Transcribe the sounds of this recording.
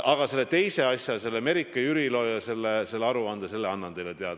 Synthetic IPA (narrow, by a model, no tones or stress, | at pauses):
ʔɑɡ̥ɑse̞lːe̞t̪e̞jse̞ɑsʲjɑse̞lːeme̞ɾikːˑɑjyɾilo̞ːjɑse̞lːese̞lːeɑɾuɑnd̪̥ese̞lːeɑnːɑnt̪e̞jlet̪e̞ɑd̪̥ɑ